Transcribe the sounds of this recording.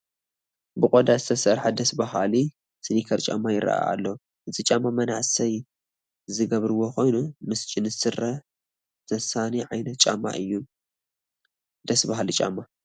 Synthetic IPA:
bɨkʼod̪azɨt̪ʰɐsɐɾħad̪ɐsbahali | sɨnikʰɐɾt͡ʃʼa̰mːajɪɾɐ̰a̰a̰lːɐ | ʔɨzʼit͡ʃʼamːamɐnaʕsɐj | zɨɡɐβɾɨwo̞xo̞jnumɨst͡ʃʼɪnɨsɨɾɐ | z̥ɐsaniʕajnɐt̪̚t͡ʃʼamːa̰ʔɨjːu | d̪̥ɐsbaɦalit͡ʃʼa̰mːa

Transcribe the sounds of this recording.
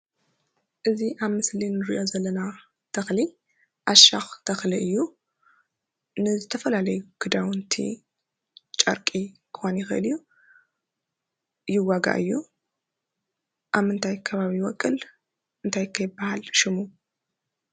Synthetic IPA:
ʔɨziʔaβmɨslinɨɾiʔo̞zɐlːɐna | t̪ʰɐxli | ʔaʃaxt̪ʰɐxliʔɨjːu | nɨzɨt̪ʰɐfɐlalɐjuɡ̥ɨd̪awɨnt̪ʰḭ | t͡ʃʼɐ̰ɾkʼikʰɨxonjɪxɨʔɨlɨjːu | jɪwaɡa̰ʔɨjːu | ʔaβmɨnt̪ʰajkʰɐβaβiwɔkʼːɨl | ʔɨnt̪ʰajkʰːɐjɪbːahalʃɪmu

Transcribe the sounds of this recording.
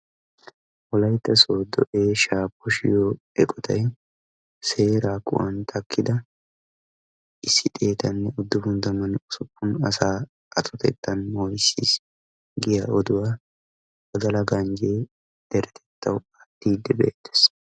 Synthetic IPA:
wɔlɐjt̪ːɐsoːd̪ɔʔeːʃaːpːɔʃɪjoː | ɛkʼɔt̪ɐj | se̞ːɾaːkʊ̰ʔɐ̰nt̪ʰɐkːɪd̪ɐ | ʔɪsːɪt̪ʼe̞ːt̪ɐnːɛʊd̪ːʊbʊnt̪ɐmɐnʊsʊpːʊnɐ̰saː | ʔɐt̪ʼɔt̪ʰɛ̰t̪ːɐnmojsḭːs | ɡɪjaɔd̪ʊwaː | ɔd̪ɐlɐɡɐnd͡ʒe | d̪̥ɛɾɛt̪ʰɛ̥t̪ʰːɐwɐt̪ːiːd̪ːɛbḛːt̪ːɛ̥s

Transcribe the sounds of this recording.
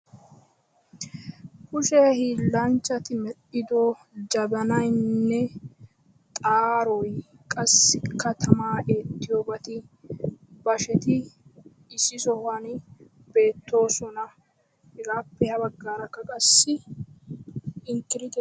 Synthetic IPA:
kʊʃɛhiːlːɐnt͡ʃːɐt̪ɪmɛɗɪd̪ɔ | d͡ʒɐbɐnɐjnːɛ | t̪ʼaːɾɔj | kʼɐsːɪkːɐt̪ʰɐmaːʔeːt̪ːɪjobɐt̪ɪ | bɐʃɛt̪ɪ | ɪsːɪsɔhɐn | be̞ːt̪ːo̞ːsɔnɐ | hɪɡaːpːɛhɐbɐɡːaːɾɐkːɐkʼɐsːɪ | ɪŋkɪɾɪt̪ɛ

